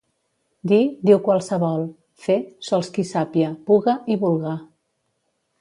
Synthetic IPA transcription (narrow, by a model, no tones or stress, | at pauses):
d̪id̪iwkwalˠsəβɔlˠ | fesɔlˠskisapiapuɣəiβulˠɣa